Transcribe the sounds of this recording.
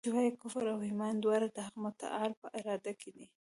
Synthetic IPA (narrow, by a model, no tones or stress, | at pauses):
ʊwajkʊfaɾawhɪmɑnd̪wɑɾad̪əhaɣmʊt̪a̰ʔɑlpəʔɪɾɑd̪akʰed̪i